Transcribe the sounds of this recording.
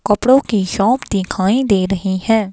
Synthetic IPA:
kəpɽoːkiːʃɔːpd̪iːkʰãːĩːd̪eːɾəɦiːhɛ̃ː

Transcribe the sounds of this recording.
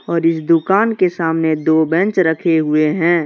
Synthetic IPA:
ɔːɾɪsd̪ʊkaːnkesaːmned̪oːbɛ̃nt͡ʃɾəkʰeɦʊeɦɛ̃ː

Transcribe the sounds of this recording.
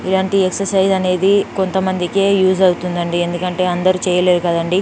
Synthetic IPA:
ilaːɳʈieksɐɾsɐjzɐne̞ːd̪iko̞nt̪ɐmɐnd̪ikeːjuːzɐwut̪und̪ɐɳɖie̞nd̪ukɐɳʈe̞ːɐnd̪ɐɾiːt͡ʃɛːjɐle̞ːd̪ukɐd̪ɐɳɖi

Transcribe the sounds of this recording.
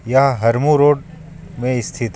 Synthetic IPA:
jaɦɐɾmuɾoːɖ | mẽɪst̪ʰɪt̪

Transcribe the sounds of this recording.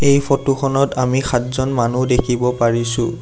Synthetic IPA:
ejpʰɔtuxʰɔnɔtamixʰatzɔnmanudekʰibɔpaɹisʊ̃

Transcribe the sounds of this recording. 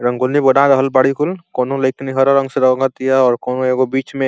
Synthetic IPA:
ɾə̃ŋɡolniboɖãɾəɦəlbaːɽikʰʊlkoːnõlɐɪkniɦɐɾaɾə̃ŋɡseɾɐɡat̪ijaɔːɾkoːnõeːɡobiːt͡ʃmẽ

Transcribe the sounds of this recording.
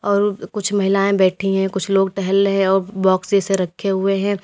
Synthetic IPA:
ɔːɾkʊt͡ʃʰmɐɦɪlaːẽbɛːʈʰĩɦɛ̃kʊt͡ʃʰloːɡ̚ʈɛɦəlɦɛ̃ɔːɾbɔːksd͡ʒeseɾɐkʰeɦʊeɦɛ̃ː

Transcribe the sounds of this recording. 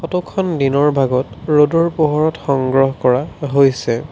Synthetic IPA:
xɔtɔkʰɔndinɔɹbʱaɡɔtɹodɔɹpoɦɔɹɔtxɔŋɡɹɔɦkɔɹaɦojsɛ

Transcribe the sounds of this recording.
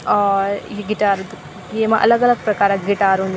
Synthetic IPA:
ɡiʈaːɾd̪u | eːmɐʔɐ̰lɐɡɐlɐɡ̚pɾɐkaːɾɐɡiʈaːɾun

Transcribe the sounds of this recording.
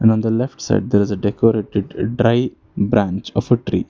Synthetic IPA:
ɛ̃ɳɖɔ̃ːnd̪əlɛfʈsa̰ɪɖ̚d̪eːɾɪzeɖekoɾeːʈɪɖɖɾaɪ | bɾæ̃nt͡ʃɔfəʈɾḭː

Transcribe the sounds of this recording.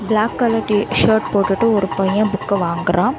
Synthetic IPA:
blaːkːɐlɐʈːiʃɐːɾʈ̚poːʈːɯʈːɯɔɾɯpɐjãbʊkːɐʋaːŋɡɪɾãː

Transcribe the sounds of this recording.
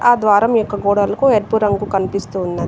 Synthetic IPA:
aːd̪ʋaːɾɐmjɔkːɐɡɔːɽɐlɐkueɾpuɾɐŋɡukɐnipist̪uːnːɐ

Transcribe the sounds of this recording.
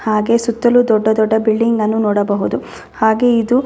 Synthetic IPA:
haːɡe̞sut̪ːɐlud̪ɔɖːɐd̪ɔɖːɐbiɭɖiŋɡɐnːunɔːɽɐbɐɦud̪u | haːɡe̞id̪u

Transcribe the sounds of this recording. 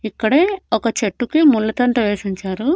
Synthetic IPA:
ikːɐɽeːɔkɐt͡ʃeʈːukimulːɐt̪ɐɳʈ̪ɐʋeːʂiɲt͡ʃaːɾu

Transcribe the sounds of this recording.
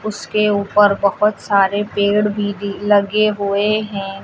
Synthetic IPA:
ʊskeuːpəɾbɐhʊt̪saːɾepeːɽbʱiilɐɡeɦʊeɦɛ̃

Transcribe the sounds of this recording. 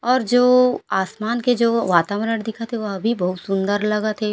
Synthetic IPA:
ɔːɾd͡ʒoːaːsmaːnked͡ʒoːʋaːt̪amɾəɽd̪ɪkʰat̪ʰeʋoɐbʱibɐɦʊt̪sʊ̃nd̪əɾlɐɡat̪ʰe

